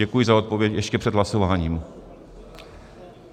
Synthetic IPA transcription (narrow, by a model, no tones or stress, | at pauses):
ɛkujɪzao̞t̪̚po̞vjɛcjɛʃcɛpr̥ɛd̪ɦlaso̞vaːɲiːm